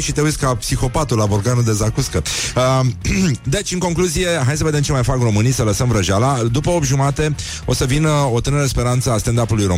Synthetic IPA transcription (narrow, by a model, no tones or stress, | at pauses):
ʃit̪e̞ujsʲkapsixo̞pat̪ulaboɾɡanud̪e̞zakuskəə | d̪e̞t͡ʃʲɨŋko̞ŋkluzije̞ɦajsəved̪emt͡ʃe̞majfakro̞mɨnijsələsəmvɾəʒalad̪upəopʒumat̪e̞ | o̞səvino̞t̪ɨnəɾespe̞ɾant̪səast̪end̪apulujɾo̞